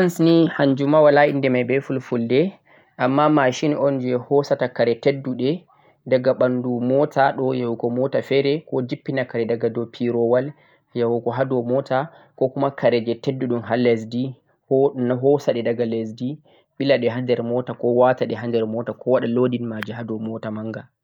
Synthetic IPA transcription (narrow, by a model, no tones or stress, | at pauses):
ansnihaɲd͡ʒumawalaʔindɛmajbɛfulfuldɛ | ʔamːamaʃinʔɔnd͡ʒɛhɔsatakaɾɛtedːuɗɛ | daɡaɓandumɔtaɗɔjawukɔmɔtafɛɾɛkɔd͡ʒipːinakaɾɛdaɡadɔpʰiɾɔwal | jawukɔɦadɔmɔtʰa | kɔkumakaɾɛd͡ʒɛtedːuɗumɦales̬di | hnaɦɔsaɗɛdaɡales̬di | ɓilaɗɛɦandɛɾmɔtakɔwataɗɛɦandɛɾmɔtakɔwaɗalodinmad͡ʒɛɦadɔmɔtamaŋɡa